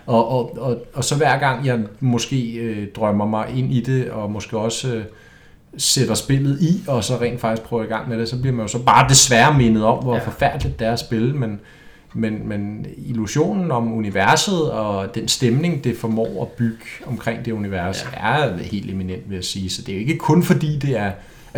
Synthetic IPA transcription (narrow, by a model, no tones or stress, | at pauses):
ɒ̽ʔɒ̽ɒ̽sɒ̽ʋæɐ̰ɡ̥ɑ̈ŋ̰jɑ̈ɪmɔ̽sɡ̥e̝̰ːd̥ʁɶmɐmɑ̈ɪʔe̝n̰id̥e̝ɒ̽mo̽sɡ̥e̝̰ːɒ̽s | sed̥ɐsb̥e̝l̰ð̞̩ˠiɒ̽sɒ̽ʁɛ̰ːnd̥fɑ̈ɡ̥isɡ̥̚pʰʁœʊiɡ̥ɑ̈ŋ̰meɾ̥e̝sɒ̽b̥liɐmænjo̝sɒ̽b̥ɑ̈ːd̥e̝sʋæːɐme̝nəð̞̩ˠɒ̽mʋɒfɒ̽fæɐ̰d̥lið̥ˠd̥æɐsb̥e̝lmen | menmeniluɕo̝̰ːnn̩ɒ̽muniʋæɐsð̞̩ˠɒ̽d̥ensd̥emne̝ŋd̥e̝fɒmɒ̰ːæb̥yɡ̥əɒ̽mkʰʁeŋ̰d̥e̝uniʋæɐsæɐhe̝̰ːld̥e̝minen̰d̥ʋe̝jæsiːsɒ̽d̥e̝jo̝e̝ɡ̥əkʰɔ̽nfɒ̽d̥ḭːd̥e̝æɐ